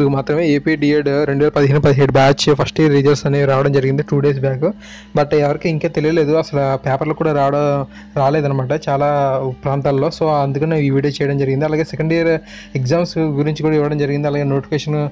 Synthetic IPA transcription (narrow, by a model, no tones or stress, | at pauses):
d̪ukɐmaːt̪ɾɐmeːeːpiːɖiːeːɖɾe̞ɳɖuʋɛːlɐpɐd̪iɦiːnupɐd̪iɦeːɽubaːt͡ʃpʰɐsʈiɾiːd͡ʒɐlsɐnːeɾaːʋɐɽɐmd͡ʒɐɾiɡind̪iʈuːɖeːs̬baːku | bɐʈɛʋɐɾikiiŋkeːt̪e̞lijɐle̞ːd̪uɐsɐlɐpeːpɐɾlokːuːɽaːɾaːʋɐɽɐ | ɾaːleːd̪ɐnɐmaːʈ̬ɐt͡ʃaːlaːpɾaːnt̪aːllo̞ːsoːɐnd̪ukɐneʋiʋiːɖet͡ʃɛːjɐɽɐmd͡ʒɐɾiɡind̪iɐlaːɡeːsekɐɳɖijɐɾ | ekzaːmsɡuɾiɲt͡ʃikuːɽaiʋːɐɽɐmd͡ʒɐɾiɡind̪iɐlaːɡeːnoːʈifeːʂɐn